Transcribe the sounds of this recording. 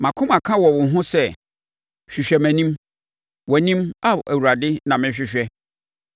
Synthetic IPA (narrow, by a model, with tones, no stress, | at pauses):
mã˨kʰʊ̃˦mã˨kʰã˦wɔ˨wʊ̃˨ɦʊ̃˦sɛ˦˨ | ɕᶣi˨ɕᶣɛ˨mæ̃˨nĩ˦m | wɔ˨nĩ˦ma˦ʔæ˨wu˨ɾa˨dɪ˦nã˨mɪ̃˦ɕᶣɪ˨ɕᶣɛ˦